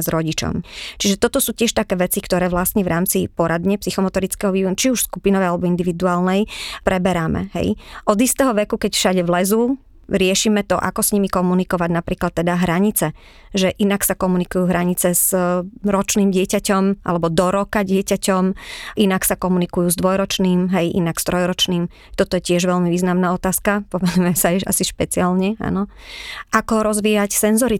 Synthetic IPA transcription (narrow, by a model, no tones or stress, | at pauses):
zɾɔɟit͡ʃɔ̰mt͡ʃiʒɛt̪ɔt̪ɔsuːcɪɛʃt̪akɛːʋɛt͡sikt̪ɔɾɛːʋlast̪ɲɛʋɾaːmt͡sipɔɾad̪ɲɛpsixɔmɔt̪ɔɾit͡skɛːɦɔʋiːʋɔnut͡ʃiuʃskupinɔʋɛjalɛbɔind̪iʋid̪uaːlnɛjpɾɛbɛɾamɛ̰ɦɛ̰jʔɔd̪ist̪ɛːɦɔʋɛkukɛcfʃaɟɛʋlɛzu | ɾɪɛʃiːmɛt̪ɔʔa̰kɔsɲimikɔmunikɔʋaɟnapɾiːklat̪ːɛd̪aɦɾaɲit͡sɛ | ʒɛʔinaksakɔmunikujuːɦɾaɲit͡sɛz̥ɾɔt͡ʃniːmɟɪɛcacɔmʔa̰lɛbɔd̪ɔɾɔkaɟɪɛcacɔmʔinaksakɔmunikujuːzd̪ʋɔjɾɔt͡ʃniːmɦɛjʔḭnakst̪ɾɔjɾɔt͡ʃniːm | t̪ɔt̪ɔjɛcɪɛʒʋɛlmiʋiːznamnaːɔt̪aːskapɔmɛnujɛmsajɛʃa̰siʃpɛt͡sialɲɛa̰nɔ | ʔakɔɾɔzʋiːjacsɛnzɔɾi